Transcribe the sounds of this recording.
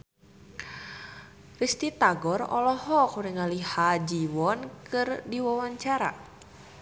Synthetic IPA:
rist̪it̪aɡɔrɔ̰lɔhɔkuɾiŋalihad͡ʒiwɔnkɨrdiwawaɲt͡ʃaɾa̰

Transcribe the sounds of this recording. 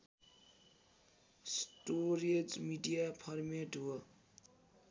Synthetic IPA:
sʈoɾed͡zmiɖijapʰʌrmeʈɦo

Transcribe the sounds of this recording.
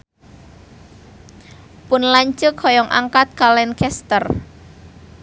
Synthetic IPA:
pʊnlaɲt͡ʃəkhɔjɔŋʔa̰ŋkat̪̚kalɛnkɛst̪ər

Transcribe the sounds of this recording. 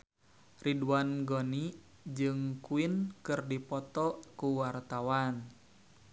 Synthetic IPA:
riduanɡoni | d͡ʒɨŋkuinkɨrdipɔt̪ɔkuwart̪awan

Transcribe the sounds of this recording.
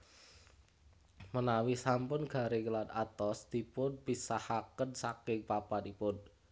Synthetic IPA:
mənawisampʊnɡ̥a̤ɾeŋəlad̪at̪ɔst̪ipʊnbisahakənsakɪŋpapanipʊn

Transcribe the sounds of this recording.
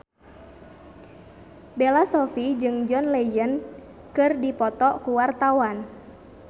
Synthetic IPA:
belasɔfid͡ʒɨŋd͡ʒɔnlejən | kɨrdipɔt̪ɔkuwart̪awan

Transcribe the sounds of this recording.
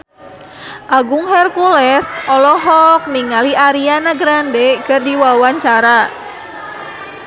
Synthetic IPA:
ʔaɡʊŋhɛrkulɛsʔɔlɔɦɔk̚niŋaliʔaɾianaɡɾandeɡərdiwawaɲt͡ʃaɾa

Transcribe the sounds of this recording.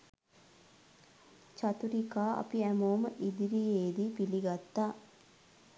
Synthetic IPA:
t͡ʃat̪uɾikaːʔɐ̰piæmoːməʔid̪iɾijeːd̪ipiliɡat̪ːaː

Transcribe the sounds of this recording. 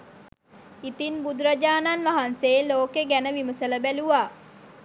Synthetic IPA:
it̪inbud̪uɾad͡ʒaːnanʋaɦanseːloːkeɡænəʋiməsələbæluʋaː

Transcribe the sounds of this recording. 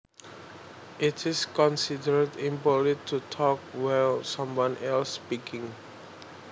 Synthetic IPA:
ʔitʰɪskɔ̃nsidəɹdĩmpɔlitʰutʰɔk̚walsãmwɔ̃nɛlsːpikʰɪ̃ŋ

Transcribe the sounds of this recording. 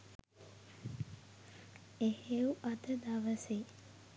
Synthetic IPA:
eheuʔad̪əd̪aʋəse

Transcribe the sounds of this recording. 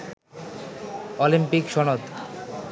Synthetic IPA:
olimpikʃɔnot̪

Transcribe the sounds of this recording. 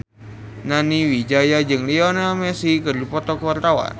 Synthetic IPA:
naniwid͡ʒajad͡ʒɨŋliɔnalmɛsikɨrdipɔt̪ɔkuwart̪awa̰n

